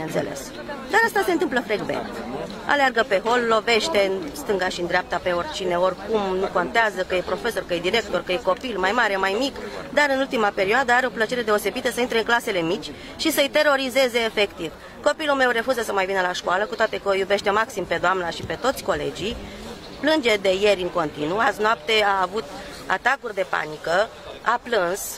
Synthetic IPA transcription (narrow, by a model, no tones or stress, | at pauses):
binent̪selḛs | d̪aɾast̪ase̞nt̪ɨmpləfɾeɡvḛn | a̰learɡəpe̞ɦo̞lːo̞ve̞ʃt̪e̞st̪ɨŋɡaʃind̪ɾeap̚t̪ape̞o̞rʲt͡ʃine̞o̞rʲkumnuko̞nt̪eazəkəjepɾo̞fe̞so̞rkəjed̪iɾe̞k̚t̪o̞rkəjeko̞pilmajmaɾe̞majmikd̪aɾɨnult̪imape̞ɾioad̪əaɾeo̞plət͡ʃe̞ɾe̞d̪e̞o̞se̞bit̪əsəint̪ɾe̞ɨnŋklase̞le̞mit͡ʃʲ | ʃisəɨjt̪e̞ɾo̞ɾize̞ze̞ːfe̞kt̪iv | ko̞pilulme̞wre̞fuzəsəmajvinəlaʃkoaləkut̪oat̪e̞kəjube̞ʃt̪e̞maksimpe̞d̪oamnaʃipe̞t̪o̞t̪sʲko̞le̞̰d͡ʒij | plɨnd͡ʒe̞d̪e̞je̞ɾʲɨŋko̞nt̪inuaznoapt̪e̞aːvut̪ | a̰t̪akurʲd̪e̞pa̰nikə | aplɨns